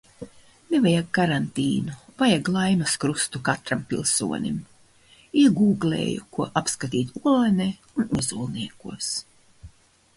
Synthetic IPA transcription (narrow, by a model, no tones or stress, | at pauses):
nevajakːaɾant̪iːnuvajaɡlˠajnuskɾust̪ukat̪ɾampilˠsṵɔnʲḭm | iɛɡuːɡlʲḛːjṵkuɔʔapskat̪iːt̪uɔlˠanɛunːɛzuːlˠniɛkṵɔs